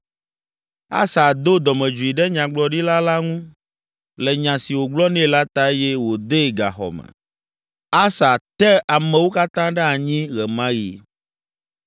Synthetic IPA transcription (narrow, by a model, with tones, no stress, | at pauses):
a̰˦sa˨d̪o˦d̪ɔ˨mɛ̃˨d͡ʒu˨i˨ɖɛ˦ɲã˨ɡ͡blɔ˨ɖi˦la˦la˦ŋũ˦ | lɛ˨ɲã˨si˨wo˨ɡ͡blɔ˦nɛ̃˦˨la˦t̪a˨e˦jɛ˦wo˨d̪e˦˨ɡa̰˨xɔ̰˨mɛ̰̃˨ | a˦sa˨t̪ɛ˦a˨mɛ̃˨wo˦ka˦t̪ã˦ɖɛ˦a˨ɲĩ˦ɣɛ˨mã˦ji˨